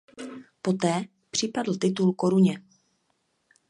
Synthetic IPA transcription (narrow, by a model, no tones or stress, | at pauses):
po̞t̪ɛː | pr̝̥ɪpadl̩t̪ɪt̪ulko̞ɾuɲɛ